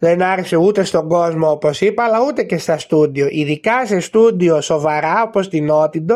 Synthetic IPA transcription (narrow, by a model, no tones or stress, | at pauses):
lenaɾseut̪est̪okozmooposipalaut̪ecest̪ɐst̪ud̪joʔiðikasest̪ud̪josovaɾaopost̪inot̪id̪o